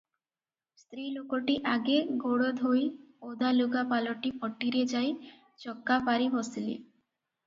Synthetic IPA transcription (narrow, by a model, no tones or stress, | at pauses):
st̪ɾilokoʈiʔaɡeɡoɽod̪ʱojod̪aluɡapaloʈipɔʈːiɾed͡ʑaj | t͡ɕɔkːapaɾibɔsilḭ